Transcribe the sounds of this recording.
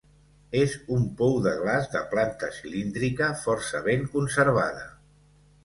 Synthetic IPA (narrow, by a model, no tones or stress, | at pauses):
ezumpɔwðəɣlazðəplant̪əsilind̪ɾikəfɔɾsəβeŋkunsəɾβ̞aðə